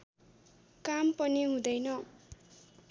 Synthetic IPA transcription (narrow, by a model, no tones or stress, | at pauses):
kampʌniɦũd̪ʌjnʌ